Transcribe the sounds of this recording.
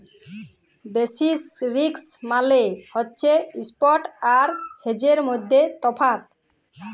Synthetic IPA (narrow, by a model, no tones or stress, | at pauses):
besisɾiksmalehotːɕʰeispɔʈaɾhed͡ʑeɾmojd̪ʱːet̪ɔpʰat̪̚